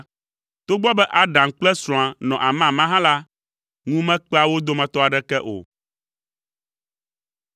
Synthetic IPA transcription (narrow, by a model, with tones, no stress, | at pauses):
t̪o˦ɡ͡bɔ˦bɛ˦ʔa˨ɖã˨ŋ˨k͡plɛ˦sɾɔ̃˨a˨nɔ̃˨ʔa˨mã˦˨mã˦ɦã˦la˦ | ŋũ˦mɛ̃˦k͡pɛ˦a˨wo˦d̪o˦mɛ̃˨t̪ɔ˦a˨ɖɛ˦kɛ˦ʔo̰˨